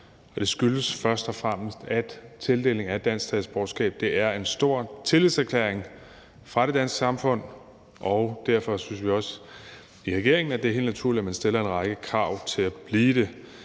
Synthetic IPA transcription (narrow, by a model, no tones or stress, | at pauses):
ɒ̽d̥e̝sɡ̥yləsfɶɐsd̥ɒ̽fʁɑm̰əsd̥æd̥t͡sʰe̝ld̥e̝̰ːle̝ŋæd̥ːæn̰sɡt͡sʰɛðsb̥ɒ̥ːsɡ̥ɛ̰ːb̥̚d̥e̝æɐe̝nsd̥o̝ɐ̰t͡sʰe̝liðˠsæɐkʰlḛːɐeŋ | fʁɑ̈ɾ̥e̝d̥æn̰sɡ̥sɑ̈mfɔ̽n̰ | ʔɒʊd̥æɐfɒ̽synsʋiɒ̽s | iʁɛɡ̥e̝ɐe̝ŋn̩æd̥e̝ɦe̝ːlnæt͡sʰuɐ̰liæmænsd̥e̝lɐe̝nʁɑ̈ɡ̥əkʰʁɑ̈ʊ̰t͡sʰe̝læb̥liːd̥e̝